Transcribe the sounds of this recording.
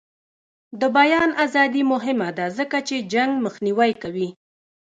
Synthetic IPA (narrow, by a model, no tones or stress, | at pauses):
d̪əbajɑnazɑd̪imʊɦɪmad̪azəkat͡ʃed͡ʒaŋɡməxniwajkawi